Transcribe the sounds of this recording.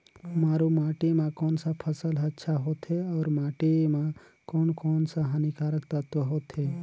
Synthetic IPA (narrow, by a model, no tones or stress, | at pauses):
maːɾumaːʈemãkɔːnsapʰəsəlɐtːʃʰaɦoːt̪ɦeɔːɾmaːʈemã | kɔːnkɔːnsaɦənikaːɾəkt̪ət̪wəɦoːt̪ɦe